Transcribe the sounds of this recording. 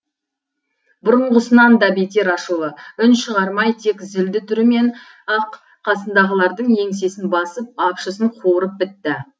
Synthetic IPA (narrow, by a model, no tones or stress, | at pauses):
bʊɾəɴʁəsənɑnd̪ɑbet̪e̞ɾɑʃulˠəʏnʃəʁɑɾmɑjt̪ʰe̞kzɪld̪ɪt̪ʰʏɾɪme̞n | ɑqːʰ | ɑsənd̪ɑʁəlˠɑɾd̪əɴje̞ŋse̞sɪnbɑsəp̚ɑpʃəsəɴqʰoɾəp̚bɪt̪ːɪ